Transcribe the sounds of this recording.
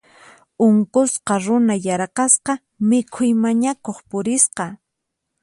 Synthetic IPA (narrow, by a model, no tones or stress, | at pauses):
ʊŋkʊsqɑɾʊnajaɾqɑsqɑ | mɪkʰʊjmaɲakoχpʊɾɪsqɑ